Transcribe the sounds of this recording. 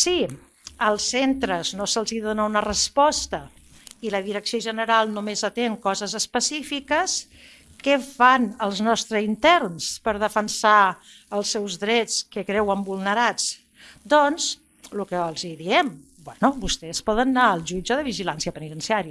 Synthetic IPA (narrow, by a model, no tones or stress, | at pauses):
si | əlˠsent̪ɾəznosəlˠziðonəunərəspɔst̪ə | iləðiɾəksioʒənəɾalˠnumezət̪eŋkɔzəzəspəsifikəs | kɛfanəlˠznɔst̪ɾəint̪ɛɾnspəɾð̞əfənsa | əlˠsɛwzðɾɛt͡skəkɾɛwəmbulˠnəɾat͡s | d̪ɔnz | lukəəlˠziðiɛm | bwɛnubust̪ɛspɔðənːaəlˠʒud͡ʒəðəβiʒilansiəpənit̪ənsiaɾiə